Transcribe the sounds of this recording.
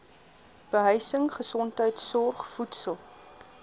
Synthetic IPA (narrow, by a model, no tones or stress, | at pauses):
b̥əɦəjsəŋχəsɔntɦəjtsɔrχfutsəlˠ